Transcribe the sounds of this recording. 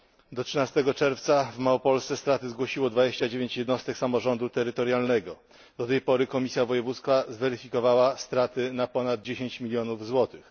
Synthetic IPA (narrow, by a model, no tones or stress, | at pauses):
d̪ɔtʂɘnast̪ɛɡɔt͡ʂɛɾft̪savmaɔpɔlssɛst̪ɾat̪ɘzɡwɔɕiwɔd̪vad͡ʑeɕt͡ɕad͡ʑevʲeɲt͡ɕjɛd̪nɔst̪ɛksamɔʐɔnd̪ut̪ɛɾɘt̪ɔɾjalnɛɡɔ | d̪ɔt̪ɛjpɔɾɘkɔmʲisʲjavɔjɛvut̪skfazvɛɾɘfʲikɔvawast̪ɾat̪ɘnapɔnad̪̚d͡ʑeɕeɲt͡ɕmʲilʲjɔnuvzwɔt̪ɘx